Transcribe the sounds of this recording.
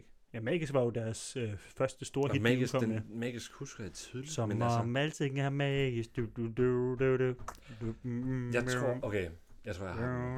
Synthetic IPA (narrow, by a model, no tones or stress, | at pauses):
jæmɛːɡ̥isʋɑ̈jo̝d̥æɐsøfɶɐsd̥əsd̥o̝ːɐidmɛikɒ̽m̰jemɛɡ̥isɡ̥husɡ̥ɐjat͡sʰiðˠlisɒmnmmælt͡sʰe̝ŋŋæɐmɛːɡ̥isd̥ud̥ud̥ud̥ede̥ | jäʁo̰ʔokʰejɑɪt͡sʰʁo̰ɐj